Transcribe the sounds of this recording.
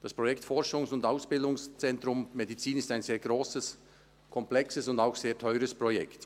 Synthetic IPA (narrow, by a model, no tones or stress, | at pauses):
d̥aspʁ̥ɔjɛktfɔʁʃʊŋsʊndaʊsb̥ɪldʊŋst͡sɛntʁʊmmedit͡siːnɪstaɪnzeːɐɡ̥ʁoːsəs | kʰɔmplɛksəsʊndaʊxz̥eːɐtʰɔʏʁəspʁ̥ɔjɛ̰kt